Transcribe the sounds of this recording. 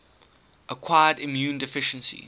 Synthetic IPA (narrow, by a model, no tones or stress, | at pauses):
ʔəkʰw̥aɪədɪ̃mjũːndɪfɪʃə̃nsḭ